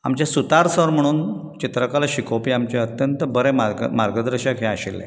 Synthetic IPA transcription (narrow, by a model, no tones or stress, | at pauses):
a̰mt͡ɕjasut̪aɾsəɾm̤əɽ̃uːnt͡ɕit̪ɾəkalaɕikopiːamt͡ɕeət̪jənt̪əbəɾemamaɾɡəd̪ɾəɕəkɦɛ̃aɕilːḛ